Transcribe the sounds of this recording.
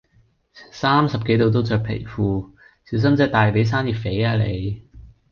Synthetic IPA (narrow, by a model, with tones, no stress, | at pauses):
saː˥msɐ˨p̚ke˨˥jt̪o˧wt̪̬o˥wt͡sœː˨k̚pʰḛ˨˩jfuː˨ | siː˨˥ws̬ɐ˥mt͡sɛː˥t̪aː˨jpe˨˥js̬aː˥nji˨t̚fe˨˥jaː˧lḛ˨˧j